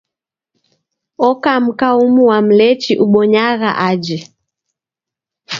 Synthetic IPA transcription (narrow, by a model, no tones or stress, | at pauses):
ɔkam̩kaumuwam̩lɛt͡ʃiʔuɓɔɲaɣa̰ʔad͡ʒɛ